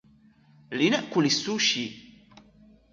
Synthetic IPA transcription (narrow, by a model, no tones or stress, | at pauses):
linəʔkʊlisuʃi